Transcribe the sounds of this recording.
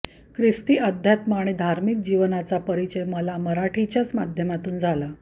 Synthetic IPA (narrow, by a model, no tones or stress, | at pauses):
kɾist̪iːʔəd̪ʱjat̪maɳ̃iːd̪ʱaɾmik̚d͡ʑiʋnat͡sapəɾit͡ɕəjməlaməɾaʈʰit͡ɕjat͡smad̪ʱjəmat̪uːnd͡zʱala